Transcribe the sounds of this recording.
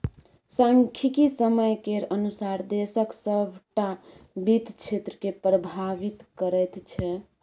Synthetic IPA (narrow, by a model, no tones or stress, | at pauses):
sãŋkʰikisəməjkeɾənusaɾd̪esəksəbʱʈabit̪t͡ʃʰet̪ɾəkepɾəbʱaʋit̪kəɾəjt̪t͡ʃʰɛ